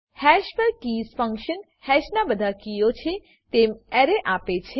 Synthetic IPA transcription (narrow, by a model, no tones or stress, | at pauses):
hɛʃpəɾkiːsfə̃ŋkʃən | hɛʃnabəd̪ʱakijot͡ʃʰe | t̪eːmɛɾeʔaːpet͡ʃʰe